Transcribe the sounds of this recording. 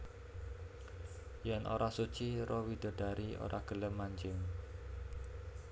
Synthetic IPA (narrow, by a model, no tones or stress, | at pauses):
jɛnʔo̰ɾasut͡ʃiɾɔwid̥ɔ̤ɖ̥a̤ɾio̰ɾa̰ɡ̥ə̤ləmːaɲd͡ʒɪŋ